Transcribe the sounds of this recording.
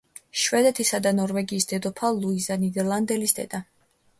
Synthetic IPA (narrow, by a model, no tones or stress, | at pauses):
ʃvɛd̪ɛt̪ʰisad̪anɔɾvɛɡiːsd̪ɛd̪ɔpʰalˠuizanid̪ɛɾlˠand̪ɛlisd̪ɛ̰d̪̥a